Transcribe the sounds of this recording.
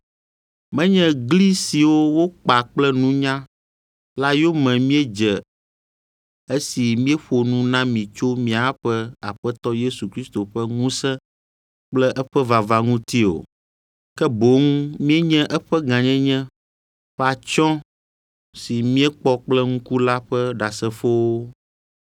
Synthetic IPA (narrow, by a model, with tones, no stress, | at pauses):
mɛ̃˦ɲɛ̃˦ɡli˦si˨wo˦wo˦k͡pa˨k͡plɛ˦nũ˦ɲã˦ | la˦jo˦mɛ̃˨mĩ˦ɛ˦d͡ʒɛ˨ | e˦si˨mĩ˦ɛ˦ɸo˨nũ˦nã˦mĩ˨t͡ʃo˦mĩ˦a˨˦ɸɛ˦a˨ɸɛ˦t̪ɔ˦je˦su˨kɾi˦st̪o˨ɸɛ˦ŋũ˦sɛ̃˦ | k͡plɛ˦ʔɛ˦ɸɛ˦va˨va˨ŋũ˦t̪i˦o̰˨ | kɛ˦bo˨˦ŋ˦mĩ˦ɛ˦ɲɛ̃˦ʔɛ˦ɸɛ˦ɡã˨ɲɛ̃˦ɲɛ̃˦ | ɸɛ˦a˨t͡ʃɔ̃˦ | si˨mĩ˦ɛ˦k͡pɔ˦k͡plɛ˦ŋ̩̃˦ku˦la˦ɸɛ˦ɖa˨sɛ˨fo˦wo˦